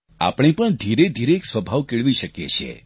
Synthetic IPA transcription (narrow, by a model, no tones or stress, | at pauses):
a̰pɳ̃ipəɳd̪ʱiɾed̪ʱiɾeːksʋəbʱaʋkeɭʋiʃəkjḛt͡ʃʰḛ